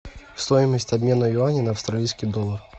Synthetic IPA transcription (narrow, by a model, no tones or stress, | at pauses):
fst̪ojɪməsʲtʲɐbʲmʲenəjʊanʲɪnɐːfst̪ɾɐlʲijskʲijd̪olˠər